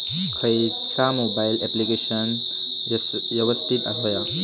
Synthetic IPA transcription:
kʰɐj | samobailɛplikeʃən | jɐʋɐst̪ʰit̪a̰ɦoja

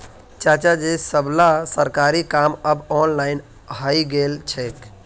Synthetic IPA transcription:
t͡ʃat͡ʃad͡ʒesəblasəɾkaɾikaməbɔnlaɪn | ɦəiɡelt͡ʃʰɛk

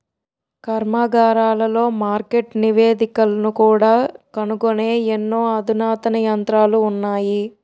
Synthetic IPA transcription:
kɐɾmaːɡaːɾaːlɐlo̞ːmaːɾke̞ʈniʋeːd̪ikɐlɐnukuːɽaːkɐnukoneːenːo̞ːɐd̪ʱunaːt̪ɐnɐjɐnt̪ɾaːluːnːaːji

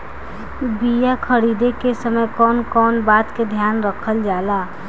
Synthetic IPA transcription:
bijakʰəɾid̪ekesəməjkɔːnkɔːnbaːt̪ked̪ʱjaːnɾəkʰəld͡ʒaːla

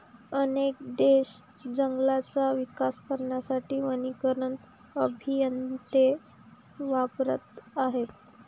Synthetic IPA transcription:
ənekd̪eɕ | d͡ʑəŋɡlat͡saʋikaskəɾɳjasaʈiːʋənikəɾən | əbʱijənt̪e | ʋapɾə̰t̪aɦet̪

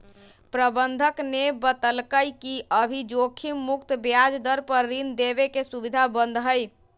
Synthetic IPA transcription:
pɾəbənd̪ʱəknebət̪əlkəjkiʔəbʱid͡ʒokʰimːukt̪bjad͡ʒd̪əɾpəɾːind̪ebekesubid̪ʱabənd̪ʱɦəj

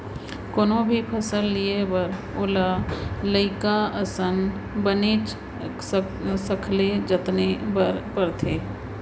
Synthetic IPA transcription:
koːnõbʱipʰəsəlːiebəɾ | oːlaləɪkaəsən | bəneːt͡ʃ | səkʰled͡ʒət̪nebəɾpəɾt̪ʰeː

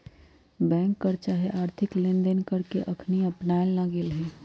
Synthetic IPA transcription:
bɛ̃ːŋkːəɾt͡ʃaɦeʔaːɾt̪ʰɪklẽnd̪ənkəɾkeʔəkʰniəpnaːelnaɡelɦɛ

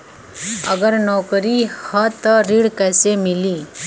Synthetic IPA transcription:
əɡəɾnɔkəɾihət̪əɾiɽkasemili

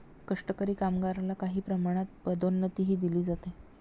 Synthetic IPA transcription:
kəʂʈəkəɾiːkamɡaɾalakaɦiːpɾəmaɽ̃at̪̚pəd̪onːət̪iːɦiːd̪iliːd͡zat̪e

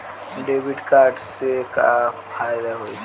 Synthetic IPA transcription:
ɖeːʋɪɖkaːɾɖsekapʰaːjɪd̪aɦoːit͡ʃʰ

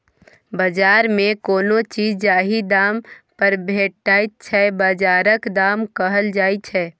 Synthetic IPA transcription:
bəd͡ʒaːɾmẽkoːnot͡ʃiːd͡ʒd͡ʒaːɦid̪aːmpəɾbʱeːʈːaːit̪̚t͡ʃʰɛbəd͡ʒaːɾəkd̪aːmkəɦəld͡ʒaːit͡ʃʰɛː

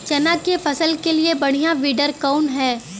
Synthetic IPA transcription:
t͡ʃɛnakefɐsəlkeliebɐɽ̤̃ijaʋiːɖəɾkɔːnɦɛː

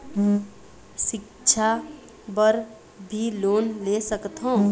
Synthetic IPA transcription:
sɪk | t͡ʃʰa | bəɾ | bʱiloːnlesəkt̪ɦõ

